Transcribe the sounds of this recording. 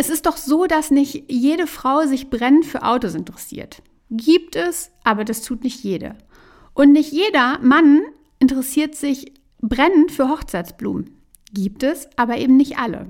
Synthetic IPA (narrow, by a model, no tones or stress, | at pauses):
ʔɛsɪst̚d̥ɔχz̥oːdasnɪçtjeːɾəfʁ̥aʊzɪçb̥ʁɛnəntfyːɐʔa̰ʊtosɪntəʁɛsḭːɐt | ɡiːp̚tɛsʔaːbɐdastʰuːtnɪçtjeːdə̰ | ʔʊntnɪçtjeːdɐman | ʔɪntəʁɛsiːɐtz̥ɪç | bʁɛnəntfyːɐɦɔχt͡saɪt͡sb̥lṵːmn̩ | ɡ̥iːp̚tɛsʔaːbɐʔeːbm̩nɪçtʔalə̰